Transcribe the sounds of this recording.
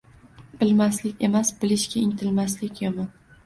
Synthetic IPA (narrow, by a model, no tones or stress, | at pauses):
b̥ɪlmaslɪkʲe̞masbɪlɪʃkʲaɪŋt̪ʰɪlmaslɪkʲjemɒn